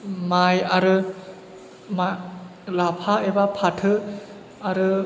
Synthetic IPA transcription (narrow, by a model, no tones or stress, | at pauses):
majaɾɯ | malapʰaebapʰatʰɯ | aɾɯ